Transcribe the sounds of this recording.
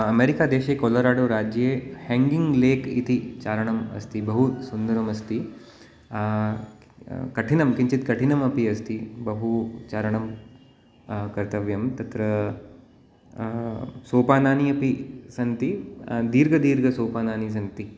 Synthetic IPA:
ɐmeːɾikaːd̪eːʃekoːlɐɾaːɽoːɾaːd͡ʒjeːheːŋɡiŋɡleːkḭt̪it͡ʃaːɾɐɳɐmɐ̰st̪ibɐɦusund̪ɐɾɐmɐst̪i | kɐʈʰinɐmkiɲt͡ʃit̪kɐʈʰinɐmɐpiɐst̪ibɐɦut͡ʃaːɾɐɳɐm | kɐɾt̪ɐʋjɐmt̪ɐt̪ɾɐ | soːpaːnaːniɐpisɐnt̪id̪iːɾɡɐd̪iːɾɡɐsoːpaːnaːnis̬ɐnt̪i

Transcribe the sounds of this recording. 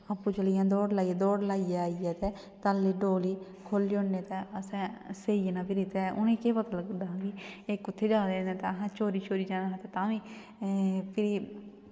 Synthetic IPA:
əpːũːt͡ʃəlɪjãːd̪oːɽlaːieːd̪oːɽlaːiaːiɛːt̪ɛː | t̪alːiːɖoːliː | kʰoːliːʊneːt̪ɛːəsɛ̃ːseːiːnãːbiɾɪt̪ɛʔʊnẽːkeːpət̪ələɡd̪aːɦːɡiːekʊt̪ʰːeːd͡ʒaːd̪eẽːnẽt̪eːəɦãːt͡ʃoːɾiːt͡ʃoːɾiːd͡ʒãːaãːt̪eːt̪ãːʋiː | pʰɪɾiː

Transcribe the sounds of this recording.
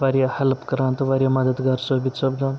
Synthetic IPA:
ʋaɾjahɐləpkəɾãːnt̪ɐʋaɾjamɐd̪əd̪ɡaɾsəbit̪səbd̪ãn

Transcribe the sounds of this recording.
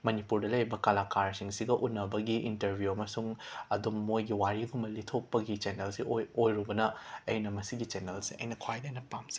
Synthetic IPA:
mɐnipuɾdɐlɐjbɐkalakaɾsiŋsiɡɐʔunːɐbɐɡiʔintɐɾbʱjuɐmɐsuŋɐdumːojɡiwaɾiɡumbɐlitʰok̚pɐɡit͡ʃenelsiojɾubɐnɐɐjnɐmɐsiɡit͡ʃenelsiʔɐ̰jnɐkʰwajdajnɐpamzi̥

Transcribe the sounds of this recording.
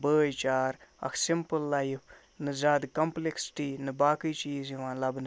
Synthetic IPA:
bəːjt͡ʃaːɾɐ̰kʰsɪmpəlːajipʰ | nɨzaːd̪kɐmpleksʈiːnɨbaːkɨːt͡ʃiːziʋãːnlɐbnɨ

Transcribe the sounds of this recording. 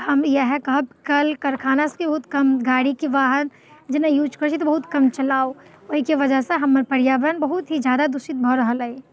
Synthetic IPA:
hɐmjɐɦɛkɐbkɐlkɐɾkʰaːnaskibɐɦʊt̪kɐmɡaːɽikiʋaːɦən | d͡ʒɪnẽjuːd͡ʒkəɾt͡ʃʰit̪obɐɦʊt̪kɐmt͡ʃɐlaːo | ikiʋɐd͡ʒəɦseɦɐmːəɾpɐɾjabɾənbɐɦʊt̪ɦid͡ʒjaːd̪ad̪ʊsit̪̚bʱɔɾɐɦəlɐe

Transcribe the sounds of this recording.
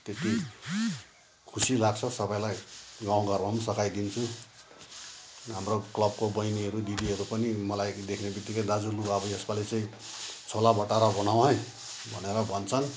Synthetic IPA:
t̪et̪ʰi | kʰusilaɡ̚t͡sʰʌsʌbajlajɡaw̃ɡʌrbʱʌmsʌkajd̪int͡sʰu | ɦamroklʌb̚kobʌjniɦʌɾud̪id̪iɦʌɾupʌnimʌlajd̪ekʰnebid̪ikʌd̪ad͡zuluɡabʌjʌsbalet͡sʌĩ | t͡sʰolabʌʈaɾʌbʌnaw̃ɦʌj | bʱʌneɾʌbʱʌnt͡sʰʌn

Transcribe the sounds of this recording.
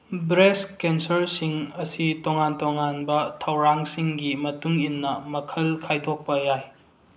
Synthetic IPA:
bɾeskensɐɾsiŋɐsitoŋantoŋanbɐtʰɐwɾaŋsiŋɡimɐtuŋinːɐmɐkʰɐlkʰajdʰʱok̚pɐjaj

